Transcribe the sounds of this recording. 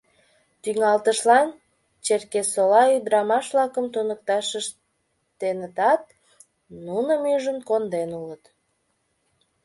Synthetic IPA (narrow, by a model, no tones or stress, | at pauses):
t̪yŋɑlt̪əʃlɑn | t͡ɕerkesolɑyd̪ɾɑmɑʃβlɑkəmt̪onək̚t̪ɑʃəʃ | t̪enət̪ɑt̪̚ | nunəmyʒənkond̪enulət̪